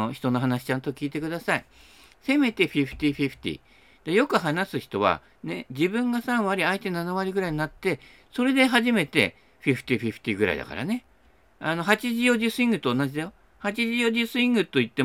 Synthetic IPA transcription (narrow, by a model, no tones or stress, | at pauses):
oçi̥t̪o̞no̞ɦanaɕi̥t͡ɕãnt̪o̞kʲiːt̪e̞kɯd̪asai | se̞me̞t̪e̞ɸʲiɸɯ̟̥t̪ʲiɸʲiɸɯ̥t̪ʲḭ | d̪̥eajo̞kɯ̟ɦanasɨçi̥t̪o̞βa̰ | ne̞d͡ʑibɯ̟̃ŋɡasãɰ̃βaɾʲiait̪e̞nanaβaɾʲiɡɯ̟ɾaiɲ̟inat̪ːe̞ | so̞ɾe̞d̪e̞ɦaʑime̞t̪e̞̰ | ɸʲiɸɯ̥t̪ʲiɸʲiɸɯ̟̥t̪ʲiɡɯ̟ɾa̰ḭd̪a̰ka̰ɾa̰ne̞ | ano̞ɦat͡ɕiʑijo̞ʑisɨĩŋɡɯ̟t̪o̞ːnad͡ʑid̪ajo | hat͡ɕiʑijo̞ʑisɨĩŋɡɯ̟t̪ːo̞it̪ːe